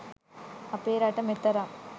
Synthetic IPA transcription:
ɐpeːɾaʈɐmet̪ːɐɾa

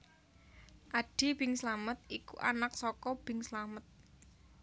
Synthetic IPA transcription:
ʔaɖ̥i̤b̥ɪŋslamət̪̚ikuʔa̰nak̚sɔkɔb̥ɪŋslamət̪̚

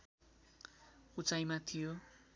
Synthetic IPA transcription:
ut͡sajmat̪ʰijo

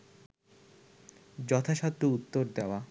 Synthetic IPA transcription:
d͡ʑɔt̪ʰaʃat̪ːout̪ːoɾd̪eoa

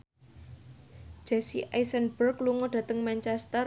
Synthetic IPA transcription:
d̥d͡ʒ̥ɛsiʔajsənbərkluŋɔɖ̥ä̤t̪əŋmaɲt͡ʃɛst̪ər

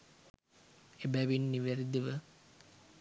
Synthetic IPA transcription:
ebæʋinːiʋæɾid̪iʋə

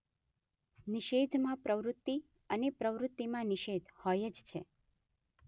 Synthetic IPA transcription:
niʃed̪ʱmãpɾəʋɾʊt̪ːi | ənepɾəʋɾʊt̪ːimãniʃed̪ʱhɔjəd͡ʒt͡ʃʰe

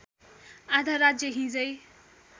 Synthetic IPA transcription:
ad̪ʱaɾad͡zjʌɦĩd͡zʌj

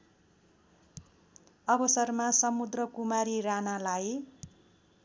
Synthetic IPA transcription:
ʌbʌsʌrmasʌmud̪rʌkumaɾiranalaj

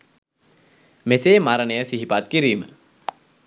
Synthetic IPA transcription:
meseːmaɾənəjəsiɦipat̪̚kiɾiːmə̰

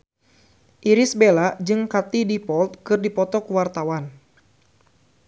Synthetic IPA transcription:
ʔiɾɪsbelad͡ʒɨŋkat̪idipɔlt̪̚kɨrdipɔt̪ɔkuwart̪awan

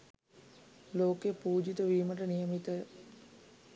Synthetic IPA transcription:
loːkepuːd͡ʒit̪əʋiːməʈ̬ənijəmit̪ə

